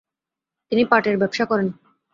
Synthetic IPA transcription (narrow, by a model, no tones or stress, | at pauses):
t̪inipaʈeɾbɛbʃakɔɾen